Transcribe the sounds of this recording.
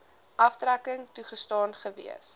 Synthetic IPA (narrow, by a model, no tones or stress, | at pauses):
ʔɐftrækəŋtuχəstɑːnχəvḭəs